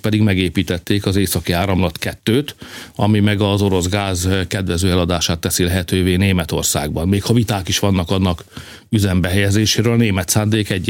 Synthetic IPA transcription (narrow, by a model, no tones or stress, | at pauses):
pɛd̪iɡmɛɡeːpiːt̪ɛt̪ːeːkɒzeːsɒkiaːɾɒmlɒt̪kɛt̪ːøːt̪ɒmimɛɡɒzo̞ɾo̞zɡaːzkɛd̪ʋɛzøːɛlɒd̪aːʃaːt̪ːɛsilɛɦɛt̪øːveːneːmɛt̪o̞̰rsa̰ːɡ̚bɒnmeːkhɒvit̪aːkiʃʋɒnːɒkɒnːɒk | yzɛmbɛɦɛjɛzeːʃeːɾølɒneːmɛt̪saːnd̪eːkɛɟː